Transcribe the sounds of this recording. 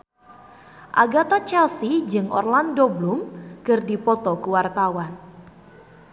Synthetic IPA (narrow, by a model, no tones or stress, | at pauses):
ʔa̰ɡat̪at͡ʃɛlsid͡ʒɨŋʔɔ̰rlandoblumkɨrdipɔt̪ɔkuwart̪awan